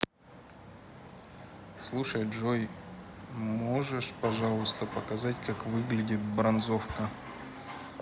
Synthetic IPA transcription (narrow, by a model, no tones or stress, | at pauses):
slˠuʂəjʐoj | moʐɨʂpɐʐalˠʊst̪əpəkɐzatʲkakvɨɡlʲɪdʲɪt̪̚bɾɐnzofkə